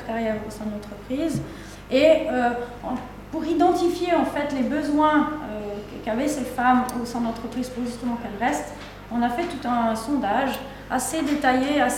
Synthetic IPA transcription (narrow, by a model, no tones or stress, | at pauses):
ʁkaʁjɛosɛ̃d̪əlɑ̃t̪χəpχiːz | eø̃ | puʁid̪ɑ̃t̪ifjeɑ̃fɛt̪lebəzwɛ̃økkavɛsɛfamosɛ̃d̪əlɑ̃t̪χəpχiːz̥puʁʒyst̪əmɑ̃kɛlʁɛst̪ | ɔ̃nafɛt̪ut̪ɛ̃sɔ̃d̪aʒ | ased̪et̪ajeas